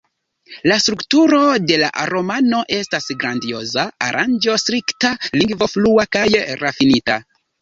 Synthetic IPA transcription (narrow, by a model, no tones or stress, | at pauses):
lastɾuktuɾo̞de̞la̰ʔaɾo̞mano̞ʔe̞stasɡɾandio̞zaːɾʔand͡ʒo̞stɾiktaliŋɡvo̞fluakajɾafinita